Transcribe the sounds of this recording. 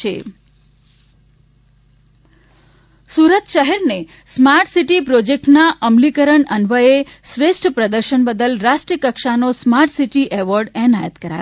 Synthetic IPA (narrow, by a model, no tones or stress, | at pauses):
ḛ | suɾət̪ʃəɦɛɾne | smaɾʈsiʈipɾod͡ʒek̚ʈnaʔəmlikəɾəɳənʋəeʃɾesʈʰpɾəd̪əɾʃənbəd̪əlɾaʃʈɾiəkəkʃanosmaɾʈsiʈiʔɛʋəɾɖɛnajət̪kəɾa̰